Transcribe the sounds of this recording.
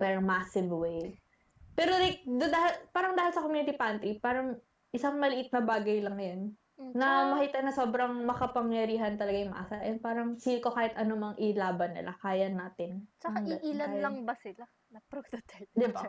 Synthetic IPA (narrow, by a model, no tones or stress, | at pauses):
mɛɾɐŋmaːsɪvwej | pɛːɾolajk̚d̪d̪ahɪlpaːɾɐŋd̪aːhɪlsɐkomjunɪt̪ipaːnt̪ipaːɾɐŋ | ʔɪsaŋmɐlɪʔɪt̪̚nɐbaːɡɐjlɐŋjanː | ɐmɐhiːt̪ɐnɐso̞ːbɾɐŋmɐkɐpɐŋjɐɾiːɦɐnt̪ɐlɐɡajʊmɐ̰ʔa̰saʔɛnpaːɾɐŋsiːlɪko̞kaːhɪt̪ʔɐnomɐŋʔɪlaːbɐnːɪ̰lʔa̰kaːjɐnaːt̪ɪnt͡ʃɐaiʔilɐnlɐŋbɐsɪla | nɐpɾot̪ot̪ʰɛld̪ɪbba